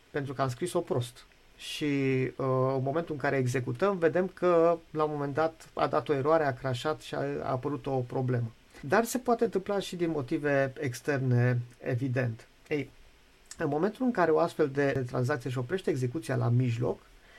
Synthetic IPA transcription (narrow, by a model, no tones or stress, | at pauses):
pent̪ɾukəams̬kɾiso̞pɾo̞st̪ | ʃi | ɨnmome̞nt̪ulɨŋkaɾe̞ːɡze̞kut̪əmve̞d̪e̞mkʰəlaomo̞me̞nd̪at̪a̰d̪at̪o̞e̞ɾoaɾe̞akɾaʃat̪ʃia̰a̰ːpəɾut̪o̞pɾo̞ble̞mə | d̪arse̞poat̪ent̪ɨmplaʃid̪inmo̞t̪ive̞ekst̪e̞rne̞evid̪e̞nt̪ | ej | ɨnmo̞me̞nt̪ulɨŋkaɾe̞o̞ast̪fe̞ld̪e̞t̪ɾa̰nz̬akt̪sije̞ʃ̬io̞pɾieʃt̪eeːɡze̞kut̪sialʔa̰miʒlo̞̰k